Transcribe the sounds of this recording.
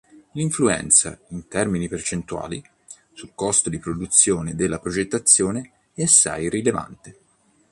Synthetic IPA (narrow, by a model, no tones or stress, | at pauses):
liɱfluɛ̰nt̪sa̰int̪ɛrminipert͡ʃent̪ua̰ːli | sulkɔst̪od̪ipɾod̪ut̪sːjoːned̪elːapɾod͡ʒet̪ːat̪sːjoːne | ɛasːa̰jrileva̰nt̪e